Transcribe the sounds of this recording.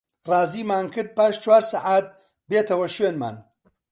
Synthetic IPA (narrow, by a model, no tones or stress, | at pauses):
rɑːziːmaːnkɨɾd̪̚paːʃt͡ʃwaːɾsaʕaːt̪̚ | beːt̪ʰɐwɐʃweːnma̰ːn